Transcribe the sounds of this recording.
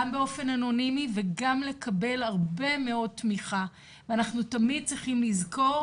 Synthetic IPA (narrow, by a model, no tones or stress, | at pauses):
ambeo̞fe̞nano̞nimiveɡamle̞kʰabe̞laʁbe̞me̞o̞d̚tmiχa | veanaχnutamid̚t͡sʁiχimlizko̞ʁ